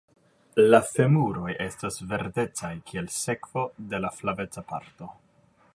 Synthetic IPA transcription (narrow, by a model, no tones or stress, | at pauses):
lafe̞muɾo̞jʔe̞stasve̞ɾde̞t͡sajkʰie̞lse̞kv̥o̞de̞laflave̞t͡sapa̰ɾto̞